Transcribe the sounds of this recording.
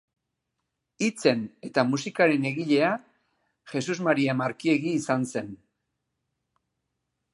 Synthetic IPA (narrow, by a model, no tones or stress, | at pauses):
it͡se̞ne̞t̪amusikaɾe̞ne̞ɣiʎe̞a | xe̞suzmaɾiamaɾkie̞ɣiːsanse̞n